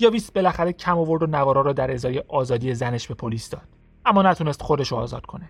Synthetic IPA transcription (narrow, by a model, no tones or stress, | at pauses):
jɒːviːs̚be̞læxæɾecʰæmovo̞ɾd̪onævɒːɾɒːɾɔːd̪æɾezɒːje̞ʔɒːzɒːd̪ije̞zæne̞ʃbe̞pʰoliːsd̪ɒːd̪̥ | æmːɒːnæt̪ʰune̞st̪χo̞d̪e̞ʃoɒːzɒːd̪̥̚kʰo̞ne